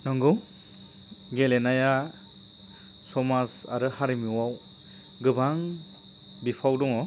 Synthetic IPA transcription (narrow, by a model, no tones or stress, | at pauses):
nɯŋɡɯw | ɡelenaja | sɔmasa̰ɾɯhaɾimiwaw | ɡɯbaŋ | bipʰawdɔŋɔ